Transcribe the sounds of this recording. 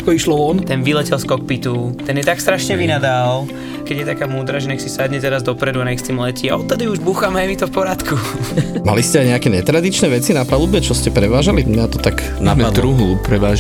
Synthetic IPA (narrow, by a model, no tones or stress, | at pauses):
kɔiʃlɔɔnt̪ɛnʋilɛcɛlskɔk̚pit̪ut̪ɛnjɛt̪akst̪ɾaʃɲɛʋinad̪aːl | kɛɟjɛt̪akaːmuːd̪ɾaːʒɛɲɛksisad̪ɲɛt̪ɛɾazd̪ɔpɾɛd̪uaɲɛkst̪iːmlɛciaɔt̪ːad̪iuʒbuːxamɦɛjmit̪ɔfpɔɾat̪kʰuma̰liscɛajɲɛakɛɲɛt̪ɾad̪it͡ʃnɛːʋɛt͡sinapalubɛt͡ʃɔscɛpɾɛʋaːʒalimat̪ɔt̪aɡ | namad̪lɾɔɾuɦupɾɛʋaːʒ